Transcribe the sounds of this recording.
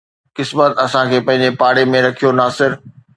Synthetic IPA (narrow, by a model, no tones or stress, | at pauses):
kɪsmət̪ɐsãkʰeːpɐ̃ɦɪ̃ɲ̆d͡ʑepaːɽemẽɾɐkʰijonaːsɪɾ